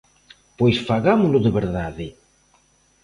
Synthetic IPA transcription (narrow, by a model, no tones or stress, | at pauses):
pojsfaɣamʊlʊðeβeɾðaðɪ